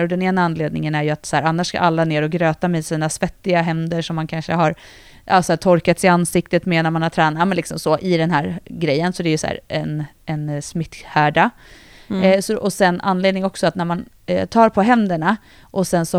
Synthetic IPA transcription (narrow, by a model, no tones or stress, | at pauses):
ɾɔd̪ɛneːnaanleːd̪̚nɪŋənæɾjɵat̪shæːɾanːaʂska̰ɾʔalːaneːɾɔɡɾøːt̪amɛsiːnasvɛt̪ːɪɡaɦɛmd̪əʂɔmːankʰanʂəɦaɾ | ʔɑːsɔæːʈ̪ʰɔɾkat̪sɪansɪk̚t̪ət̪meːnæɾmanhat̪ʰɾɛːnamɛnlɪksɔmsɔʔɪd̪ɛnɦæːɾɡɾɛjːənsɔd̪æɾjɵsæ̰ːɾɛn | ɛnsmɪt̪ːhæːɖa | sɔʔɔsɛnːa̰nːleːd̪nɪŋɔksɔat̪næɾman | t̪ʰɑːɾpʰɔɦɛnd̪əɳa | ʔɔsɛnsɔ